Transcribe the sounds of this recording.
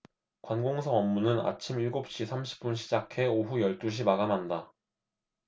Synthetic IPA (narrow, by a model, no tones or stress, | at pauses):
kwanɡoŋsʰʌwʌmːunɯna̰t͡ɕʰimiɭɡop̚ɕ͈isʰamɕʰi̥p̚p͈unɕ̬ʰid͡ʑakʰe̞oɦujʌɭt͈uɕ̬ʰimaɡamanda